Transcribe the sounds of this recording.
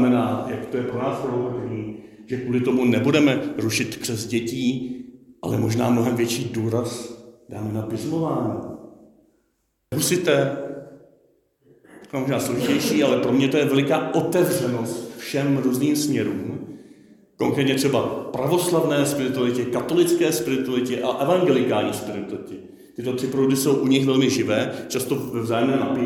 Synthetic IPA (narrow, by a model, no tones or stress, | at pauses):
mɛnaːjakt̪ojɛpɾonaːspvopbɛɲiː | ʒ̥ɛkuːlɪt̪o̞munɛbudɛmɛɾuʃɪt̪pr̥ɛzɟɛciːʔa̰lɛmo̞ʒna̰ːmnoɦɛmvjɛt͡ʃiːduːɾasd̥a̰ːmɛnapɪzmo̞vaːɲiː | ɾusɪt̪ɛː | kɛmoʒnaːslo̞ʒɪcɛjʃiːʔalɛpɾo̞mɲɛt̪ojɛvɛlɪkaːʔo̞t̪ɛvrɛno̞st̪fʃɛmɾuːzniːmsmɲɛɾuːm | ko̞ŋkɾɛːt̪ɲɛt̪r̥ɛbapɾavo̞slavnɛːspɪɾɪt̪ualɪcɛkat̪o̞lɪt͡skɛːspɪɾɪt̪ualɪcɪʔaʔɛvaŋɡɛlɪkaːlɲiːspɪɾɪt̪ɪcɪ | t̪ɪt̪o̞t̪r̥ɪpoɾodɪso̞wʔuɲɪxvɛlmɪʒɪvɛːt͡ʃast̪o̞vɛvzaːjɛmnɛːmnapɪ